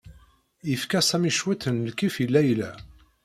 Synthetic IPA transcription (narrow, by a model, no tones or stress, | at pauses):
ifkæsæmiʃwæt̪ənlkifilːæjlæ̰